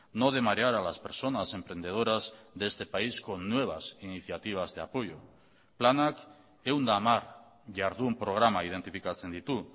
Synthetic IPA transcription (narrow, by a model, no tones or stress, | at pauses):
no̞ð̞e̞maɾeaɾalaspe̞ɾso̞nase̞mpɾe̞nd̪e̞ð̞oɾazðe̞st̪e̞paisko̞nːwe̞β̞asiniθjat̪iβ̞azðe̞apo̞jo | planak | e̞wnd̪aːmaɾ | ʝaɾðuːmpɾo̞ɣ̞ɾamaið̞e̞nt̪ifikat͡se̞nd̪it̪u